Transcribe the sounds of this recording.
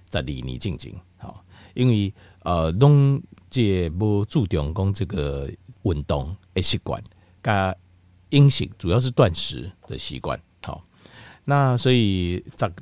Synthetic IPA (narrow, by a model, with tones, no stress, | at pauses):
t͡sa˨˩li˨˩nḭ̃˨t͡ɕi˥˨ŋt͡ɕḭ˨˦ŋ | hɔ̰˨˩ | i˦nwi˥˧ | ə˨lɔ˦ŋt͡ɕɛ˥˧˩bo˦t͡su˥˧˨t̪jɔ˨˩ŋkɔ˦ŋt͡sə˥˧˩ɡə˨˩wə˨˩nt̪ɔ˨ŋ | e˨ɕi˦˩kwa̰˨˩n | ka˦ | i˦ŋɕḭ˨k̚t͡su˨˩ja˥˧ʂ̬ɻ̩˥˧t̪wa˥˨nʂɻ̩˨˧˦d̪̥ə̰˨ɕḭ˧˦kwa̰˦˨n | hɔ̰˨ | nã˥˨swɔ˧˦i˨t͡sa˨k